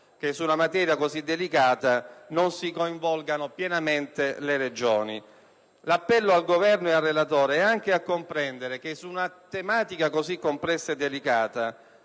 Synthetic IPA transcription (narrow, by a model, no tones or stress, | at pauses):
k̟esːunamat̪ɛːɾjakozid̪ːelikaːt̪anonsikoiɱvɔlɡanopjɛnament̪eleɾed͡ʒoːni | lapːɛlːoalɡovɛrnoearːelat̪oːɾeɛaŋk̟eakːompɾɛnd̪eɾek̟esːuːnat̪emaːt̪ikakozikːomplɛsːaed̪ːelikaːt̪a